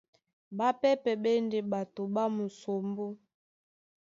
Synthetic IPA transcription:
ba˦pɛ˦pɛ˨bɛ˦nde˨ba˨to˨ba˦mu˨so˨mbo˦

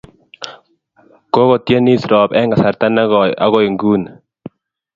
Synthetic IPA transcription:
ko˦ɣo˨tje˦ni˦sɾɔ˨pɛ˦ŋɡa˨sa˨ɾt̪a˦na˦a˦ɣɔ˨i˨ŋɡu˦n

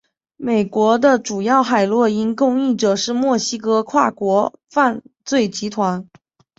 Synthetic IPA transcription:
me˨˩ɪkwɔ˧˥d̪ə˧ʈ͡ʂu˨˩jɑ˥˩ʊxa˨˩ɪlwɔ˥˩i˥nkʊ˥˧ŋi˥˩ʈ͡ʂɤ˨˩ʂɻ̩˥˧mwɔ˥˩ɕi˥kɤ˥kʰwa˥˩kwɔ˧˥fa˥˧nt͡swe˥˩ɪt͡ɕi˧˥t̪ʰwa˧˥n

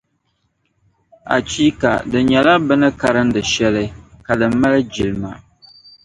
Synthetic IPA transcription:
a̰˨t͡ʃi˦ka̰˨dɨ˨ɲɛ˨la˦bɨ˦nɨ˦ka˦ɾɨ˦ndɨ˨ʃɛ˦lɨ˦ka˨dɨ˨m˦mːa˦lɨ˦d͡ʒi˨lma̰˨

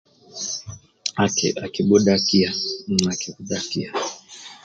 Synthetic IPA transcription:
akɛ̰˨a˨ki˨ɓu˦ɗaki˦a˨m̩˨a˨kikuɗaki˦a˨

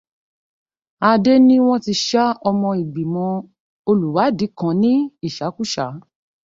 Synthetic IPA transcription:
a˧de˦nĩ˦w̃ɔ̃˦ti˧ʃa˦ɔ˧mɔ̃˧i˨ɡ͡bi˨mɔ̃˧˦ | o˧lu˨wa˨˦di˨˦kã˨˧˦nĩ˦i˦˨ʃa˨˦ku˦˨ʃa˨˦

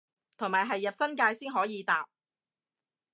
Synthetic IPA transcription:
t̪ʰʊ˨˩ŋmaː˨˩jɦɐ˨jːɐ˨p̚sɐ˥nkaː˧jsiː˥nɦɔː˨˥jiː˨˧t̪aː˨p̚

